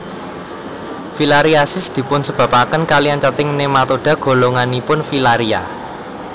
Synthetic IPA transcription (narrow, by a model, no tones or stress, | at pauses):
filaɾiasɪsd̪̥i̤pʊnsəb̥ä̤pakənkaliant͡ʃat͡ʃɪŋnemat̪oɖ̥ä̤ɡ̥o̤loŋanipʊnfilaɾia̰